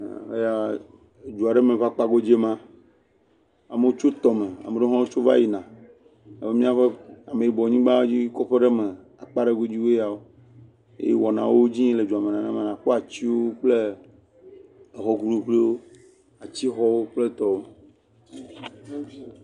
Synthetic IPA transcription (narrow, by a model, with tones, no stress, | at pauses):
ḛ˦ja˦˨ | d͡ʒu˨a˨ɖe˦mẽ˨va˦k͡pa˦ɡo˦d͡ʒe˦mã˦ | a˨me˨wo˦t͡ʃo˦t̪ɔ˨me˨a̰˨me˨ɖe˦ɦɔ̃˦wo˦t͡ʃo˦va̰˦ji˨nã˨ | a̰˨be˦mĩ˦a˦ɸe˦a˨me˨ji˨bɔ˨ɲĩ˦ɡ͡bã˦o˦d͡ʑi˦kɔ˦ɸe˦ɖe˦mẽ˨ | a˨k͡pa˦ɖe˦ɡo˦d͡ʑi˦wo˦ja˨wo˦ | ḛ˦ḛ˦wɔ˨nã̰˨wo˦d͡ʑĩ˦le˨d͡ʒu˨a˨me˨nã˨nã˦me˨nã˨ɸo˦a˨t͡ɕi˦wo˦k͡ple˦ | e˨ɦɔ˨ɡu˦ɖũ˨ɸle˦wo˦ | a˨t͡ɕi˦xɔ˦wo˦k͡ple˦t̪ɔ˨wo˦